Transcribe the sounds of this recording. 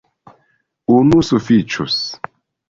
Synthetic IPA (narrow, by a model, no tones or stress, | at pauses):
unusufit͡ʃus